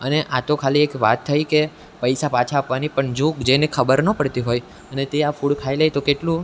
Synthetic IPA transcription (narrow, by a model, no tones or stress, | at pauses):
əneʔat̪okʰaliekʋa̰t̪ʰːəjke | pəjsapat͡ʃʰaːpʋanipəɳd͡ʒokd͡ʒenekʰəbəɾnəpəɽt̪iɦoj | ənet̪eafuɽkʰailejt̪okeʈlũ